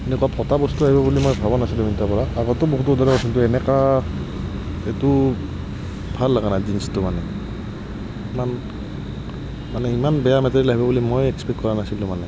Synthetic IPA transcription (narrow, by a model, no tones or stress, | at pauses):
enɛkɔwapʰɔtabɔstuaɦibabulimojbʱabɔnasilɔmintapɔɹaaɡɔtɔboɦutɔdaɾakɔsʰintuɛnɛka | etu | bʱalːaɡanajdinstumanɛ | iman | manɛimanbɛjamɛtaɹilaɦibabulimojɛkspɛkt̚kɔɹanasilɔ̃manɛ